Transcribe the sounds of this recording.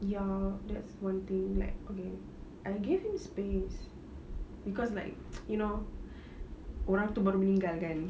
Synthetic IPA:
jadɛtswãnt̪ĩŋla̰ɪk̚oke | ʔaɪɡevhĩmspes | bikɔslaɪk̚juno | koɾãŋt̪ubəɾminĩŋɡalkãn

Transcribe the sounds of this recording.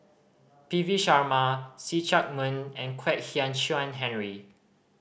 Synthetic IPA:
piviʃaɹmasit͡ʃak̚mə̃nɛ̃nkʰwɛt̚hiãnʃuãnɦɛ̃nɹi

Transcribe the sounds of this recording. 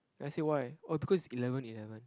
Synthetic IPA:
ɛ̃najsewajɔbikʰɔsisilɛvə̃nilɛvə̃n

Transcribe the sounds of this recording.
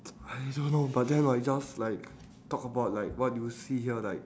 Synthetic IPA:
adõnːobat̚dɛ̃najd͡ʒaslaɪk̚ | tɔkəbaʊt̚laɪk̚wɔt̚jjusihiəlaɪk̚

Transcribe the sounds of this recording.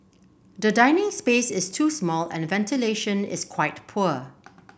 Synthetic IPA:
dədãɪnɪ̃ŋspesɪstʰuːsmɔlɛ̰̃nvɛ̃ntʰileʃə̃nɪ̰skʰwaɪtpʰuə

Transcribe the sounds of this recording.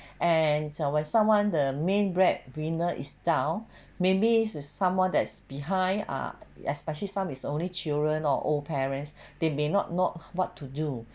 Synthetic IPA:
ʔɛ̃nwɛ̃nsãmwãndəmẽnbɹɛd̚wĩnəʔḭsdãʊ̃n | mẽbissãmwãndɛtsb̥iɦãɪ̃na̰ɛspɛʃəlisãmisõnlit͡ʃildɹə̃nɔ̰ʔo̰lpʰɛɹə̃ns | d̥emenɔ̰t̚nowɔtʰːudu

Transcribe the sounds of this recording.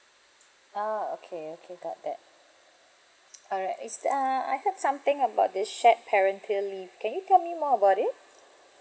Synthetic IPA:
ao̰kʰeokʰeɡɔt̚d̪ɛt̚ | ɔlɹaɪtɪsaa̰jhədsãmt̪ɪ̃ŋəbaʊt̚dɪsʃɛt̚pʰɛɹə̃ntʰillifkɛ̃njutʰɛlmimɔəbaʊtɪt̚

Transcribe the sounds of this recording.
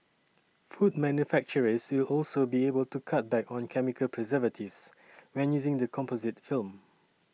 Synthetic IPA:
fud̚mɛ̃njufæk̚t͡ʃəɹəswɪlɔlsobiebəltukʰat̚bɛkɔ̃nkʰɛmikʰəlpʰɹɛzɛvətʰivs | ɹɛ̃njuzɪ̃ŋdəkʰɔ̃mpozɪtfilm

